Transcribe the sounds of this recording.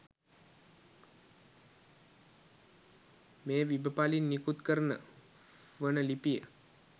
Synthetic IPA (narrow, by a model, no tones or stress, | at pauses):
meːʋibəpalinːikut̪kəɾənə̰ | ʋənəlipijə̰